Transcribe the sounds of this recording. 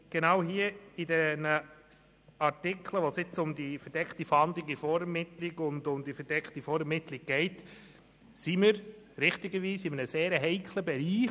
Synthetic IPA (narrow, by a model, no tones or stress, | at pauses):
ɡ̥enawɦiːəidɛnə | ɑɾtɪkʰləʋosɪt͡sʊmdifəɾd̥ɛktifɑndlɪɡifɔɾɛmɪtlɪɡʊndʊmdifəɾdɛkχtifɔɾəmɪtlɪɡ̚ɡ̥ɛɪt | siməɾ | ɾɪχtiɡəʋiːsɪmənəseːɾəɦɛɪkʰləbɛɾiː